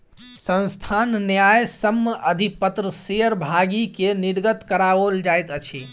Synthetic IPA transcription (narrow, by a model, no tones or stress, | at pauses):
sə̃nst̪ʰanːjajsəmːəəd̪ʱipət̪ɾəseəɾbʱaɡikeniɽɡət̪kəɾaold͡ʒajt̪ət͡ʃʰi